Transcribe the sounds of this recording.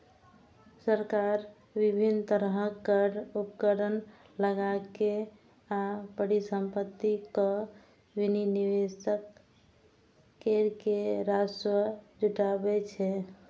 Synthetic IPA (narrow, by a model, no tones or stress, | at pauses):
səɾkaɾ | bibʱint̪əɾɦəkːəɾupəkəɾən | ləɡake | abəɽisəmpət̪ːikə | bininiwesək̚ | eɾkeɾaswəd͡ʒuʈabɛt͡ʃʰɛ